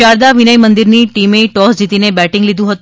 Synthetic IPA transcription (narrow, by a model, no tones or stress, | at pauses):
aɾd̪aʋinəjmənd̪iɾniʈimeʈɔsd͡ʒit̪inebɛʈɪ̃ŋɡlid̪ũɦət̪